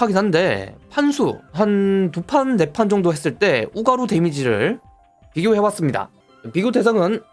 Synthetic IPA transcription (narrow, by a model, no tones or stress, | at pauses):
aɡinɦannde̞pʰansʰuɦantupʰanːe̞pʰand͡ʑʌŋdoɦe̞s͈ɯɭt͈e̞uɡaɾute̞mid͡ʑiɾɯ̰ɭ | piɡjohe̞was͈ɯmɲida̰ | piɡjode̞sʰaŋɯn